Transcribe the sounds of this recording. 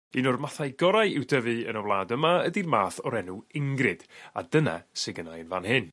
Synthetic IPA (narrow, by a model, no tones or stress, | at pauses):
inɔrmaθajɡɔɾajɪwdəvɨənəwlˠaːdəmaədirmaːθɔɾɛnuɪŋɡrɨd̥a̰dəna̰sɪɡənajənvanhɨn